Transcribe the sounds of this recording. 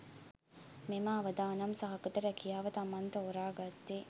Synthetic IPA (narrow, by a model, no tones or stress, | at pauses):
memaːɐʋɐd̪aːnɐmsɐɦɐkɐt̪ɐɾækijaːʋɐt̪ɐmɐnt̪ɐoɾaːɡɐt̪ːe